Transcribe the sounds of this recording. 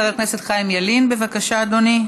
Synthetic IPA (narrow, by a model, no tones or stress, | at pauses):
ʁekneset̪χaimjalinbe̞vakaʃaːd̪oni